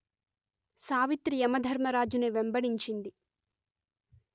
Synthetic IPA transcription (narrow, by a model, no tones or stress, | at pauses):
saːʋit̪ɾiɛmɐd̪ʱɐɾmɐɾaːd͡ʒuneʋembɐɽiɲt͡ʃind̪i